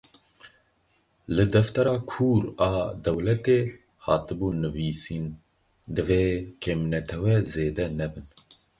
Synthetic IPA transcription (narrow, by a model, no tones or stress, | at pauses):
lɨd̪ɛft̪ɛɾɑːkʰuːɾɑːd̪ɛwlɛt̪eː | hɑːt̪ɨbuːnɨviːsiːn | d̪ɨveːkʰemnɛt̪ʰɛwɛzeːd̪ɛnɛbɨn